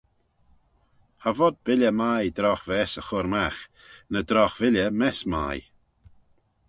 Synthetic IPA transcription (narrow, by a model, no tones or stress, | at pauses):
havɔd̪̚bɪlʲəmajd̪ɾɔxvɛsəxʊɾmax | nəd̪ɾɔxvɪlʲəmɛsma̰j